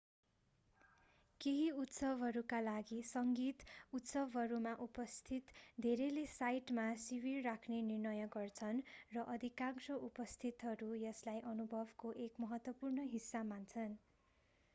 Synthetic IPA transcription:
keɦiut̪sʌbʱɦʌɾukalaɡisʌŋɡit̪ut̪sʌbʱɦʌɾumaʔupʌst̪ʰit̪d̪ʱeɾelesajʈmasibirːakʰnenirnʌjʌɡʌrt͡sʰʌnrʌʔʌd̪ʱikaŋsʌʔupʌst̪ʰit̪ɦʌɾujʌslajʔʌnubʱʌbkoʔekmʌɦʌt̪wʌpurnʌɦisːamant͡sʰʌn

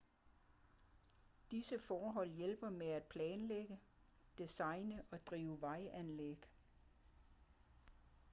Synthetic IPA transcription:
d̥isəfɒːɦɒ̽l̰jelb̥ɐmeæd̥̚pʰlɛːnleɡ̥ə | d̥isɑ̈ɪnəʔɒ̽d̥ʁiːʊəʋɑ̈ɪʔænleɡ̥

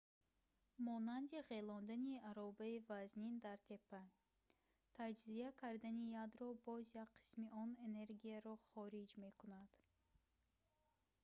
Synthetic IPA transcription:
mɔnand̪iʁelɔnd̪aniaɾɔbaivaznind̪aɾt̪ʰe̞pʰːa | t̪ʰad͡ʒziakʰaɾd̪anijad̪ɾɔbɔzjakqʰːi̥smiʔɔne̞ne̞ɾɡiaɾɔχɔɾid͡ʒme̞kʰunad̪̥

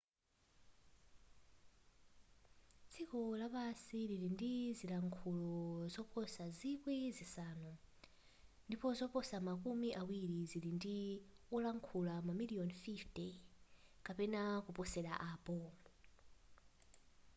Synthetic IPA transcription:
t͡sʰikɔlaβasiliɾindizilaŋkʰulɔzɔpʰɔsazikwizisaːnu | ndipɔzɔpɔsamakumiʔawiɾizilindiɔlaŋkʰulamamiliɔnfiftɛ | kapɛnakupɔsɛɺa̰ʔaːpɔ

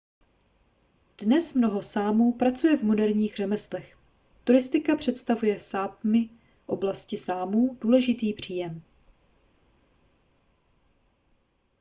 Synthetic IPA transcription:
d̥nɛsmno̞ɦo̞saːmuːpɾat͡sujɛvmodɛɾɲiːxr̝ɛmɛslɛx | t̪uɾɪst̪ɪkapr̝̥ɛt̪st̪avujɛsaːp̚mɪ | ʔo̞blascɪsaːmuːd̥uːlɛʒɪt̪iːpr̝̥iːjɛm

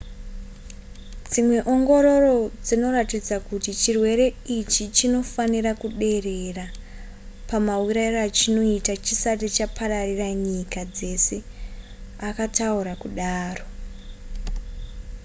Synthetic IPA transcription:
d͡zimwe̞ʔo̞ŋɡo̞ɾo̞ro̞d͡zino̞ratid͡zakutit͡ʃirwe̞ɾe̞it͡ʃit͡ʃino̞fanirakuɗe̞re̞ra | pamauɾairoat͡ʃino̞itat͡ʃisatit͡ʃapʰaɾariraɲikad͡ze̞se̞ | akatauɾakuɗaːro̞

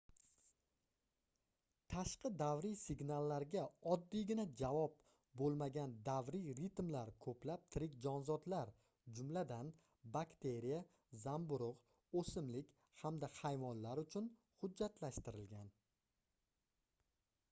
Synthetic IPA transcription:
t̪ʰaʃqɨd̪avɾijsɪɡnalˠːaɾɡʲaɒd̪ːijɡʲɪnad͡ʒavɒp̚ | bolˠmaɡʲand̪avɾiɾɪt̪mlaɾkʰɵplap̚t̪ʰɪɾɪkʲd͡ʒɒnzɒd̪laɾ | d͡ʒʊmlad̪an | bakt̪ʰe̞ɾija | zambʊɾʊq | osɪmlɪkʲ | hamd̪ahajvɒnlaɾʊt͡ʃʰʊn | hʊd͡ʒd͡ʒːat̪ʰlaʃt̪ɪɾɪlɡʲan

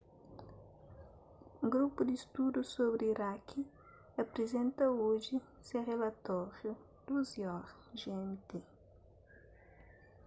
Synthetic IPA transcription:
ũɡɾupud̪ist̪ud̪usoβɾiɾakʰi | ɐpɾezẽnt̪ɐoʒi | seʁelat̪ɔʁju | d̪̥uzjɔɾ | ʒeɛmt̪e

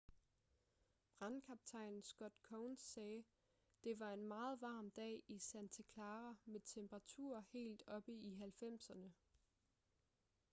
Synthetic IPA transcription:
b̥ʁɑnkʰɑ̈b̥̚t͡sʰɑ̈ɪnn̩sɡ̥ɒ̽d̥kʰɔʊnsːɛː | d̥e̝ʋɑ̈e̝nmɑ̈ːð̞̩ˠʋɑ̈ːmd̥ɛ̰ːisænt͡sʰekʰlɑːʁɐmet͡sʰemb̥ʁɑ̈t͡sʰṵɐ̰he̝̰ːld̥ɒ̽b̥əiɦælfem̰sɐnə

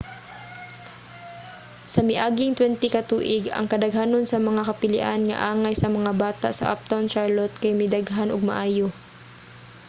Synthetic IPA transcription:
sɐmɪʔaːɡɪŋt̪wɛnt̪ɪkɐt̪uːʔɪɡɐ̰ŋkɐd̪ɐɡɦaːnonsɐmɐŋakɐpɪlɪ̰ʔanŋɐ̰ʔaːŋajsɐmɐŋabaːt̪a̰ʔsɐ̰ʔa̰p̚t̪awnt͡ʃaɹlot̪̚kajmɪd̪aɡɦanʊɡ̚mɐ̰ʔaːjo

